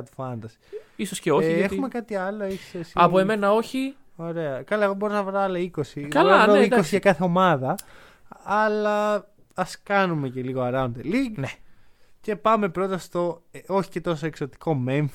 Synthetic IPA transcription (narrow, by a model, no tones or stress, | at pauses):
t̪u̥fɐnd̪ɐsi̥isosceoçexumekɐt̪iɐlo̞eçi̥sesɐpoeme̞nɐo̞çi | o̞ɾe̞ɐkɐlɐeɣobo̞ɾonɐvɾoɐlɐiko̞sioɾonɐvɾoiosiʝɐkɐθeo̞mɐðɐː | lɐ | ɐskɐnume̞ce̞liɣoɐɾɐnd̪eliɡne | ce̞pɐme̞pɾo̞t̪ɐst̪o̞oçi̥ce̞t̪o̞so̞ekso̞t̪i̥ko̞me̞ɱf